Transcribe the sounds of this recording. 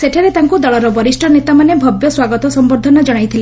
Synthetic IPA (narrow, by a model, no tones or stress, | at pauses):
seʈʰaɾet̪aŋkud̪ɔɭɔɾɔbɔɾisʈʰɔnet̪amanebʱɔbjɔswaɡɔt̪ɔsɔmboɾd̪ʱɔnɔd͡ʒɔɽ̃ajt̪ʰile